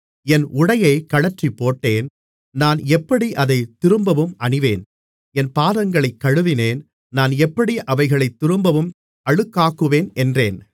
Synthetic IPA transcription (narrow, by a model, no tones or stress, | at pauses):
ɛnʔʊɽɐjɐɪkɐɻɐʈripːoːʈːeːn | naːnɛpːɐɽiʔɐðɐɪt̪ːɪɾɯmbɐʋɯmʔɐɳɪʋeːn | ɛnpaːðɐŋɡɐɭɐɪkːɐɻɯʋɪneːn | naːnɛpːɐɽiʔɐʋɐɪɣɐɭɐɪt̪ːɪɾɯmbɐʋɯm | ɐɻɯkːaːkɯʋeːnʔɛndreːn